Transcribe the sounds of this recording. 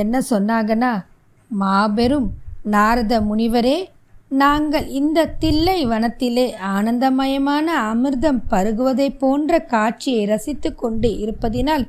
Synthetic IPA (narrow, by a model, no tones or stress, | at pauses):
ɛnːɐsɔnːaːɣɐnaː | maːbɛɾɯmnaːɾɐðɐmʊɳɪʋɐɾeː | naːŋɡɐɭɪnd̪ɐt̪ɪlːɐɪʋɐnɐt̪ːɪleːaːnɐnd̪ɐmɐjɐmaːnɐɐmɯɾðɐmpɐɾɯɣɯʋɐðɐɪpːoːndrɐkaːʈ̚t͡ʃɪjɐɪɾɐsɪt̪ːɯkːɔɳɖɯɪɾɯpːɐðɪnaːl